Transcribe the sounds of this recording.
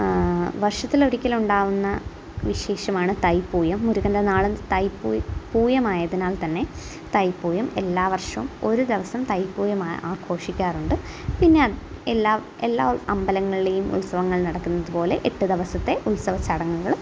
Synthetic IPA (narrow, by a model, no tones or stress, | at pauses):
ʋɐrʂɐt̪ːilo̞ɾikʲːɐluɳɖaːʋunːɐ | ʋiɕe̞ːɕɐmaːɳɨt̪ɐjpːuːjɐmːuɾuɣɐndenaːɭent̪ɐjpuːjpuːjɐmaːjɐðinaːlt̪ɐnːe̞ | t̪ɐjpːuːjɐme̞lːaːʋɐrʂɐmo̞ɾud̪eʋɐsɐmt̪ɐjpːuːjɐmaːʔaːɡʰo̞ːʂikʲːaːruɳɖɨ | pinːeɐelːaː | elːaːɐmbɐlɐŋːɐɭile̞jumʔṵlsɐʋɐŋːɐɭnɐɽɐkːunːɐðupo̞ːle̞ʔeʈːud̪eʋɐsɐt̪ːe̞ʔulsɐʋɐt͡ɕɐɽɐŋːuɣɐɭu